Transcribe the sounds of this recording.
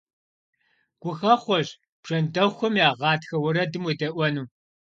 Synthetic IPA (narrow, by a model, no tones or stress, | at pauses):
ɡ̥ʷʊxɐχʷɔʑ | b̥ʐ̥ɐndɐxʷɔmjaːʁɑːtxɐwɐɾɐdɨmwidɐʔʷɔnuː